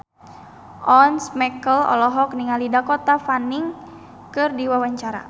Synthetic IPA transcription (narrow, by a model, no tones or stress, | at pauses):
ʔɔnsmɛkəlɔ̰lɔɦɔk̚niŋalidakɔt̪afaniŋ | kɨrdiwawaɲt͡ʃaɾa̰